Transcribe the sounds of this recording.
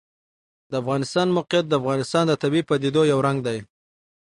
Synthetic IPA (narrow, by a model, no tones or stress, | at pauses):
d̪̥əafɣɑnɪst̪ɑnmʊqijat̪̚d̪əafɣɑnɪst̪ɑnd̪ət̪abipːad̪id̪ojawɾaŋɡ̚d̪aj